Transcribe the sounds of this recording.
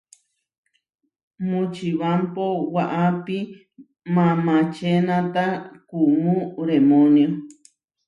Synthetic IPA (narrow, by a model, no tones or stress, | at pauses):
mũt͡ʃiβampowaʔapi | mãmãt͡ʃenãt̪akumũɾemõnjo